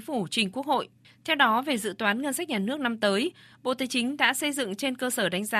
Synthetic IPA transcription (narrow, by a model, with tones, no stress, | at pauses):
fu˧˩t͡ɕï˨˩ŋ̟ku˦˥ək̚ho̰˧˨j | t̪ʰɛ˧wɗɔ˨˦ve˨˩zɨ̰˧˨t̪waː˨˦nŋə˧nsa˦˥k̚ɲaː˨˩nɨ˦˥ək̚na˧mt̪əː˨˦jɓo̰˧˨t̪aː˨˦jt͡ɕï˨˦ŋ̟ɗa̰ː˧˥sə˧jzɨ̰˧˨ŋt͡ɕe˧nkəː˧səː˧˩ɗa˨˦jŋ̟zaː˨